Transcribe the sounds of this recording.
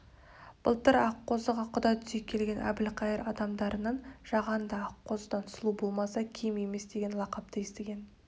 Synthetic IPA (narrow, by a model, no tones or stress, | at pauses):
b̥əlˠt̪əɾɑqʰːo̞zəʁɑqʰʊd̪ɑjt̪ʰʏ̥zekʲʰːe̞lɡʲe̞nʔæ̰bɪlqʰɑjəɾɑd̪ɑmd̪ɑɾʔənɑnʒ̥ɑʁɑnd̪əɑqʰːo̞zəd̪ɑnsəlˠubo̞lˠmɑsɑkʲʰemje̞me̞sd̪e̞ɡʲe̞nlˠɑqɑp̚t̪əjest̪eɡʲe̞n